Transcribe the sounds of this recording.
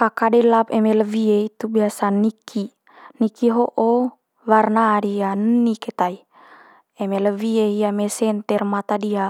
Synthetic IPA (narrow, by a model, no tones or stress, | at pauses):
kakadɛlap̚emeləvieit̪ubiasanikʰi | nikiɦoʔo | warnaɾianənːiket̪ai | emeləvieɦiamesɛnt̪ɛrmat̪adia